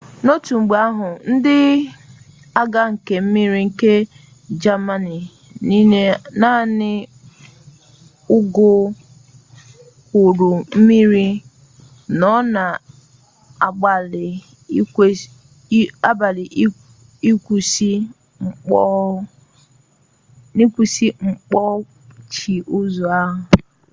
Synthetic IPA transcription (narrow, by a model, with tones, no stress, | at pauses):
no˦tu˨ŋ͡m̩˨ɡ͡be˨a˦ɦʊ˨n̩˦dɪ˦ | a˦ɡa˦ŋ̩˨ke˨m̩˦mi˦ɾi˦ŋ̩˨ke˦ | d͡ʒa˦ma˦ni˨ | ni˦e˦na˦nɪ˦ | ʊ˦ɡʊ˦ | ʊ˨ɾu˨m̩˦mi˦ɾi˦ | nɔ˦na˨ | a˨ɡ͡ba˨lɪ˨˦ | a˦ba˨lɪ˨˦ | i˦ku˨si˦ | ŋ͡m̩˨˦ | ni˦kʷu˨si˦ŋ͡m̩˨k͡pɔ˦ | t͡ʃi˨ʔʊ˦zu˨a˦ɦʊ˨